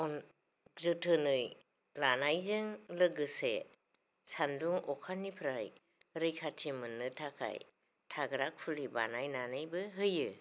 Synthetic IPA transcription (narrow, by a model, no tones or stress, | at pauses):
ɔn | zɯtʰɯnɯj | lanajzɯŋlɯɡɯsḛ | sanduŋɔkʰanːipʰɾaj | ɾɯjkʰatʰimɯnːɯtʰakʰa̰j | tʰaɡɾak̚pʰuliba̰najnanɯjbɯɦɯjɯ